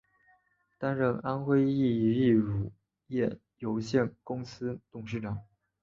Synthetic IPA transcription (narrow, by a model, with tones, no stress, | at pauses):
t̪a˥nɻə˥˩ŋa˥nxwe˥ɪi˥˩i˧˥i˥˩ɻu˨˩ | jɛ˥˩ | jo˧˥ʊɕjɛ˥˩nkʊ˥ŋsɹ̩˥t̪ʊ˨˩ŋʂ̬ɻ̩˥˩ʈ͡ʂɑ˨˩˦ŋ